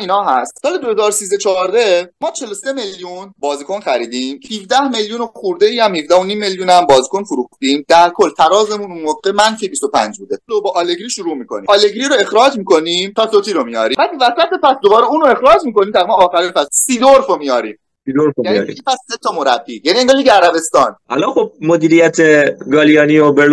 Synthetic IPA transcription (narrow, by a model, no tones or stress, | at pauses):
iːnhɒːɦæst̪sɒːle̞d̪ohezɒːɾosiːzet͡ʃʰɒːɾd̪emɒːt͡ʃʰe̞lose̞me̞lljunbɒːziːkʰo̞nxæɾiːd̪iːmhivd̪æhme̞ljuːnoxuɾd̪eiːæmhifd̪æhonimːe̞ljuːnæmbɒːziːkʰo̞nfuɾuːxd̪iːmd̪̥æɾkʰo̞lːt̪ʰæɾɒːze̞mununmoɡemænfibist̪o̞pʰæ̰nd͡ʒbuːd̪elobɒːʔːle̞ɡɾiʃuɾuːmiːkʰo̞nḭːɒle̞ɡɾiɾoe̞xɾɒːd͡ʒmiːkʰo̞nimt̪ʰɒːsot̪ʰiɾomijɒ̰ːɾiːmbæd̪væsæt̪e̞pæsd̪obɒːɾeuːnoe̞xɾɒːd͡ʒmiːko̞nimt̪ʰæɣimæɒːxæɾinpæssid̪oɾfomijɒɾḭːm | sid̪oɾfojmij̰ḭipʰæsːet̪ʰɒmo̞ɾæbːijænieŋɡɒliɡceæɾæbe̞st̪ɒːnʔælɒnxob̚mod̪iːɾijæt̪ʰeɡɒːlijɒːniobel